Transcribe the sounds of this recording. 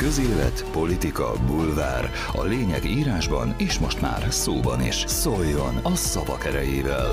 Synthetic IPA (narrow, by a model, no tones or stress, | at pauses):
kø̞zeːlɛ̰t̪po̞lit̪ikɒ̰bulva̰ːr | ɒ̰leːɲɛɡiːɾaːʒbɒneːʃmo̞ʃt̪ma̰ːrsoːbɒnḭʃso̞jːo̞nɒsɒvɒkɛɾɛjeːvɛl